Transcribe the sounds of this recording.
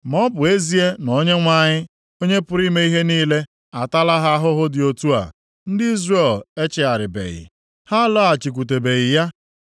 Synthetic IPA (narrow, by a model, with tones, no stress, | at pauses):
m˨ɔ˦bʊ˨e˦zi˦e˦nɔ˦ɲe˦ŋʷa˦ɲɪ˦ | o˦ɲe˦pʊ˦ɾi˦me˦i˦ɦe˦niː˦le˦ | a˨ta˦la˦ɦa˦a˦ɦʊ˦ɦʊ˦dɪ˨o˨tu˦a̰˨ | n̩˦dɪ˦i˦zre˦˨le˦t͡ʃɪ˨a˨ɾɪ˨bḛ˨ɣɪ̰˨ | ha˦la˦a˨t͡ʃi˨k̬ʷu˨t̬e˨be˨ɣɪ˨ja˦